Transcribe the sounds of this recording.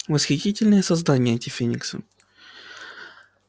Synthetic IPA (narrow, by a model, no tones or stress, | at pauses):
vəsxʲɪtʲitʲɪlʲnəjəsɐzd̪anʲɪjəɐnʲtʲɪfʲenʲɪ̰ksə̰